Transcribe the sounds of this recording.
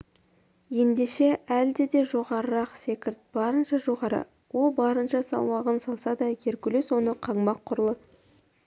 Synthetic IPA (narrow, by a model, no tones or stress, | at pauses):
je̞nd̪e̞ʃe̞ʔæld̪e̞d̪e̞ʒo̞ʁɑɾəɾɑqse̞kʲɪɾt̪̚b̥ɑɾənʃɑʒo̞ʁɑɾə̰ | wo̞lˠbɑɾənʃɑsɑ̰lˠmɑʁənsɑlˠsɑd̪ɑkʲʰeɾkʲʏleswo̞nəqʰɑɴbɑqʰːʊɾəlˠə